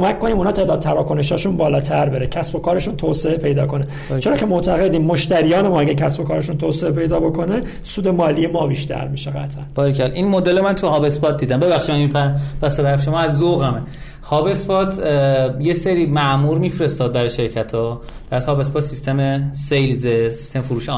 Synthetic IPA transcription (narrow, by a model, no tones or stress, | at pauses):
omækkːo̞niːmunɒːt̪ʰeːd̪ɒːd̪̚t̪ʰæɾɒːkʰo̞neʃɒːʃunbɒːlɒːt̪ʰæɾbeɾecʰæsbo̞kʰɒːɾe̞ʃunt̪ʰoːse̞epʰe̞jd̪ɒ̰ːkʰo̞ne | t͡ʃʰe̞ɾɒːcʰe̞moʔt̪ʰæɣed̪iːmːoʃt̪æɾijɒːnemɔːæɟæɾcʰæsbo̞kʰɒːɾeʃuːnt̪ʰoːseepe̞jd̪ɒːbo̞kʰo̞ne | suːd̪e̞mɒːlijemɒːbiːʃt̪ʰæ̰ɾmiʃeɣæ̰t̪ʰʔænb̥ɒːɾikʰælʔinmod̪elomænt̪ʰuhɒːbe̞spɒːt̪̚d̪iːd̪æmbeβæxʃimænipʰæbæsebæɾfʃomɒːæzːoɣæme | hɒːbe̞spɒt̪ʰjeseɾiːmæʔmuːɾmiːfɾe̞st̪ɒːd̪̚bæɾɒjʃeɾcʰæt̪ʰɒː | d̪̥æt̪hɒːbe̞spɒːt̪sist̪emesejlzesi̥st̪emfuɾuːʃe